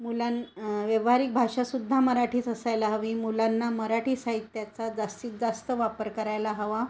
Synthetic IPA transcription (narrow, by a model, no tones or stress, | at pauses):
mulanʋeʋɦaɾiːk̚bʱaʂasud̪ʱːaməɾaʈʰiːsəsajlaɦəʋiːmulanːaməɾaʈʰiːsaɦit̪jat͡sad͡zast̪iːt̪d͡zast̪əʋapəɾkəɾajlaɦəʋa